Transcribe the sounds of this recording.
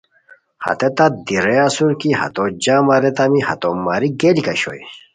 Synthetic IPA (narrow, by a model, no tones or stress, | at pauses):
hɐ̰t̪et̪ad̪iɾeasuɾkihɐ̰t̪od͡ʑamaɾɛt̪amihɐ̰t̪omːaɾiɡelkɐɕo̰j